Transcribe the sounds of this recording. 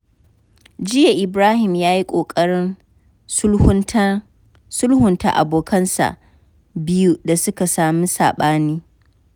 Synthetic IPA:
d͡ʒɪ˦ja˨ʔɪ˨bɾaː˦hɪ˨mjaː˦ji˦kʷʼoː˨kʼɐ˦ɽɪ˦n˦ | ʊ˦ | sʊ˦lhʊ˨nta̰˦ʔa̰˨boː˨kʰɐ˦nsa̰˨ʔ | bɪ˦ju˦da˨sʊ˦ka˨saː˨mi˦sa̰ː˨ɓaː˦niː˦

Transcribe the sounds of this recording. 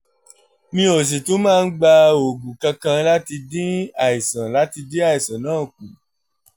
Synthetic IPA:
mĩ˦o˨s̬e˨to˨˦mãː˦˧n̩˦ɡ͡ba˧o˨ɡu˨kã˧kã˧la˦ti˧dĩ˦a˨i˨sã˨la˨˦ti˧dĩ˦a˦˨i˨sã˨nãː˦˨k̚ũ˨

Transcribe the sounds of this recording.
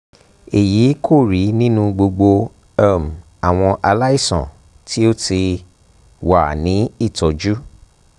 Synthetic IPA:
e˨jiː˨˦kʰo˦˨ɾi˨˦nĩ˦nũ˧ɡ͡bo˧ɡ͡bo˧ | a˦˨m˨ | a˨w̃ɔ̃˧ʔa˧la˦i˦˨sɔ̰̃˨ | tʰi˦o˦ti˧ | wa˨nĩ˨˦i˦˨tɔ˨d͡ʒu˦

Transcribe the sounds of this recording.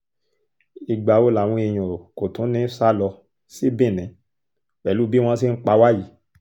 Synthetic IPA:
i˧ɡ͡ba˨wo˦la˨w̃ɔ̃˧e˨j̃ɔ̃˨ko˨tũ˨˦nĩ˦sa˦lɔ˧ | si˦bĩ˦˨nĩ˨˦ | wɛ˨lu˦bi˦w̃ɔ̃˦si˦n̩˦k͡pa˧wa˦ji˨˦

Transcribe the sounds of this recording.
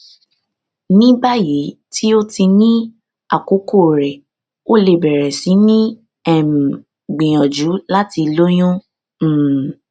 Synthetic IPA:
nĩ˦ba˦ji˨˦ti˦o˦ti˧nĩ˦ | a˦˨ko˨˦ko˦˨ɾɛ˨ | o˦le˨bɛ˨ɾɛ˨sĩ˨˦nĩ˦ | ɛ˨ | ɡ͡bĩ˨j̃ɔ̃˨d͡ʒu˨˦la˦ti˧lo˦j̃ũ˦˨

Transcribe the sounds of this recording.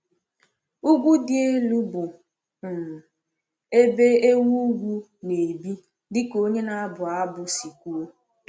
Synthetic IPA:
u˦ɡʷu˦dɪ˦e˦lu˦bʊ˨ | m̩˨ | e˦be˦e˦wu˦ɡʷu˦ | ne˨bi˦ | dɪ˦ko˦ɲe˦na˦bʊ˨a˦bʊ˦si˨kʷu˦e˦

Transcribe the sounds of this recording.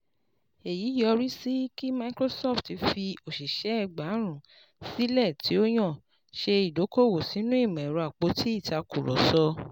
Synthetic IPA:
e˨ji˨˦jɔ˧ɾi˦si˦ki˦ma˧i˦kɾo˦sɔ˦˨fti˧fi˧o˨ʃi˨ʃɛ˨˦ɛ˧ɡ͡ba˨˦ɾ̃ũ˨ | si˦lɛ˦˨ti˨˦o˦j̃ɔ̃˦˨ | ʃe˧i˨do˨˦ko˦˨wo˨si˨˦nũ˦i˦˨mɛ̃˨ɾu˨˧a˨k͡po˨˧˦tʰi˦i˦˨ta˧ku˨ɾɔ̰˨sɔ˧

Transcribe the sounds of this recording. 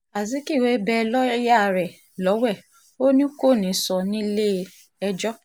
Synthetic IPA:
a˨zi˨˦ki˦˨we˨˦bɛ˧lɔ˦ja˦˨ɾɛ˨ | lɔ˨˦wɛ˦˨ | o˦nĩ˦ko˦˨nĩ˨˦sɔ˧nĩ˦le˦ | ɛ˧d͡ʒɔ˦

